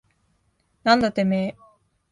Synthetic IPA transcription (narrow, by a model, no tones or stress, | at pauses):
nãnd̪at̪ːemeː